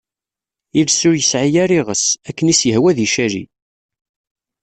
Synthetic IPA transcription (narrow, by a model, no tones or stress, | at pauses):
ilsʊɾjəsʕijæɾiʁəsækːənisjəhwæðiʃæɾḭ